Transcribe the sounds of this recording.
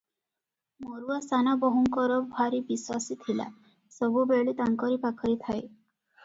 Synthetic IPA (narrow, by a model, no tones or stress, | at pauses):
moɾuasanabɔɦɔŋkɔɾɔbʱaɾibiswasit̪ʰila̰ | sɔbubeɭit̪aŋkɔɾipakʰɔɾit̪ʰae